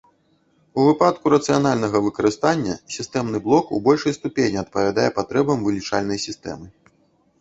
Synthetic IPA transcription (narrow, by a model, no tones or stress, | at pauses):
uvɨpat̪kuɾɐt̪sɨjan̪alʲnɐɣɐvɨkɐɾɨst̪anʲːɐ̰sʲist̪ɛmnɨblˠɔkṵbɔlʲʂɐjst̪upʲenʲiɐt̪̚pɐvʲad̪ajɛpat̪ɾɛbɐmvɨlʲit͡ʂalʲnɐjsʲist̪ɛ̰mɨ